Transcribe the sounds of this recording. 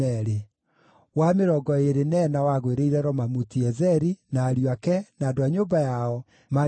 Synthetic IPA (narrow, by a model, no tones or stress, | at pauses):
ɛɾe | wameɾɔɡɔeɾenɛnawaɣweɾeiɾɛɾɔmamutiɛzɛɾinaːɾjwakɛnadoaɲoːbajaɔ | ma